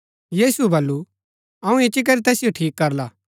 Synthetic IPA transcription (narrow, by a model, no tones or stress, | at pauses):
jiːsuebɐlːu | ɐũet͡ʃik̬ɐɾit̪ɛːsɪjoʈʰiːkːɐɾlaː